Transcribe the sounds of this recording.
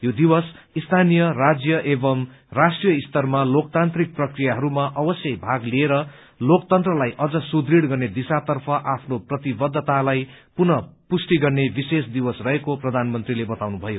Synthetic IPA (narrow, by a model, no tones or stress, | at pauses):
jod̪iwʌs | ist̪ʰanijʌrad͡zjʌʔebʌmrasʈrijʌist̪ʌrmalokt̪ant̪rik̚prʌkrijaɦʌɾumaʔʌbʌsjʌjbʱaɡlieɾʌ | lokt̪ʌnt̪rʌlajʔʌd͡zʌsud̪riɽɡʌrned̪isat̪ʌrpʰʌʔapʰnoprʌt̪ibʌd̪ʱːt̪alajpunʌpusʈiɡʌrnebisesd̪iwʌsrʌɦekoprʌd̪ʱanmʌnt̪rilebʌt̪awnubʱʌjo